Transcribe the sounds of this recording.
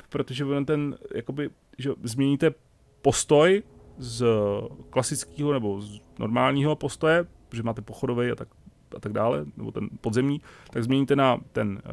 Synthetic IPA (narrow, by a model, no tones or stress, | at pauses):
pɾo̞t̪oʒɛvonamt̪ɛnjʔa̰ko̞bɪ | ʒɛzmɲɛɲit̪ɛ | po̞st̪o̞jz | klasɪt͡skiːɦo̞nɛbo̞znʔoɾmaːlɲiːɦo̞post̪o̞jɛpot̪oʒɛmaːt̪ɛpoxo̞dovɛjat̪ak | ʔat̪aɡ̚daːlɛ̰nɛ̰bo̞t̪ɛnpo̞d̪zɛmɲiːt̪aɡzmɲɛɲit̪ɛnat̪ɛn